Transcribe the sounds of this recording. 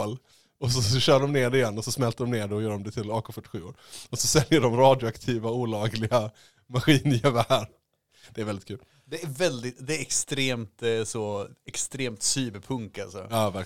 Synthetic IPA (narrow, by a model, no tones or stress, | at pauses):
l | ɔsɔɕœːɖɔmneːɖɪjɛnːɔsɔsmɛlt̪əɖɔmneːɖɛɔjœːɖɔmd̪ɛt̪ʰɪlɑːkʰɔfœʈːɪ̥ɧʉːoːɾɔsɔsɛljəɖɔmɾɑːd̪jʊakt̪ʰiːvauːlɑːɡlɪɡa | maɧiːnjɛvæɾ | d̪̥ɛæɾvɛld̪ɪt̪kʰʉ̟ːl | d̪ɛæɾvɛld̪ɪt̪d̪ɛæɾɛkst̪ɾeːmt̪sɔɛkst̪ɾeːmt̪syːbəɾpʰɵŋka̰lsɔ̰ɑːvæk